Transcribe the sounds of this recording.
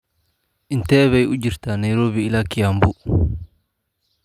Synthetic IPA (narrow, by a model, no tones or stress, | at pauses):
ʔint̪ɛβajud͡ʒiɾt̪anajɾoːβiːlakijambu